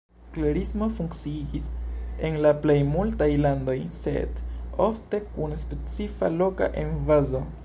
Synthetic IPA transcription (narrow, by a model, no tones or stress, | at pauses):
klaɾismo̞fuŋkt͡siid͡ʒise̞nlaple̞jmultajlando̞jse̞̰do̞fte̞kunspe̞t͡sifa̰lo̞ka̰ʔenvazo̞